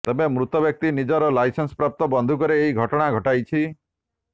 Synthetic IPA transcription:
t̪ebemɾut̪ɔbjɔk̚t̪inid͡ʒɔɾɔlajsensɔ̥pɾap̚t̪ɔbɔnd̪ʱukɔɾeːiɡʱɔʈɔɽ̃aɡʱɔʈajt͡ʃʰi

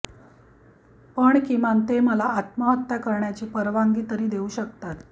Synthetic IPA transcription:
pəɳkimant̪eməlaʔːt̪məɦət̪ːjakəɾɳjat͡ɕiːpəɾʋaŋɡiːt̪əɾiːd̪euːɕək̚t̪at̪

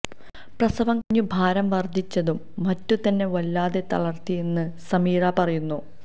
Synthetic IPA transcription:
prɐsɐʋɐmkɐɲːubʱaːɾɐmʋɐrd̪ʱit͡ɕːɐðumːɐtːut̪ɐnːe̞ʋɐlːaːðe̞t̪ɐɭɐrt̪ienːɨsɐmiːɾapɐrɐjunːu

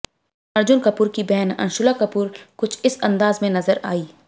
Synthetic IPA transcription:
ɐɾd͡ʒʊnkɐpuːɾkibɛɦnɐ̰nʃʊlakɐpuːɾkʊt͡ʃʰɪsɐ̃nd̪aːzmẽnɐzəɾaːiː

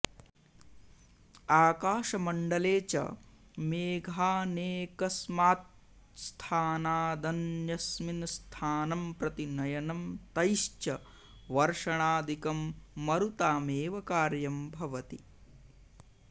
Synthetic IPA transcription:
aːkaːʃɐmɐɳɖɐleːt͡ʃɐ̰ | meːɡʱaːneːkɐsmaːt̪̚ | st̪ʰaːnaːd̪ɐnjɐsminst̪ʰaːnɐmpɾɐt̪inɐjɐnɐmt̪ɐjʃt͡ʃɐ | ʋɐɾʂɐɳaːd̪ʱikɐmːɐɾut̪aːmeːʋɐkaːɾjɐmbʱɐʋɐt̪i

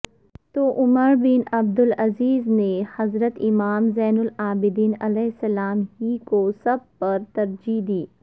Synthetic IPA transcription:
t̪oːʔʊməɾbɪnɐb̚d̪ʊlɐziːznehɐzɾət̪ɪmaːmzɛːnʊlaːbɪd̪iːnɐlɛːɦɪsɐlaːmɦikosɐb̚pɐɾt̪ɐɾd͡ʒid̪iː

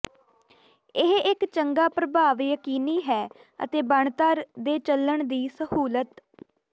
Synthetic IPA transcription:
ɪɦɪkt͡ʃəŋɡaːpɾəbʱaːʋjəkiːniːɦɛː | ə̰t̪eːbəɳt̪aːɾd̪eːt͡ʃələɳd̪iːsəhuːlət̪

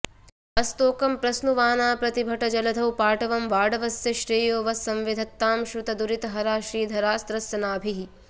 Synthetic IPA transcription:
ɐst̪oːkɐmpɾɐsnuʋaːnaːpɾɐt̪ibʱɐʈɐd͡ʒɐlɐd̪ʱɐwpaːʈɐʋɐmʋaːɖɐʋɐsjɐʃɾiːjoːʋɐsːɐmʋid̪ʱɐt̪ːaːmʃɾut̪ɐd̪uɾit̪ɐɦɐɾaːʃɾiːd̪ʱɐɾaːst̪ɾɐsjɐnaːbʱiɦi

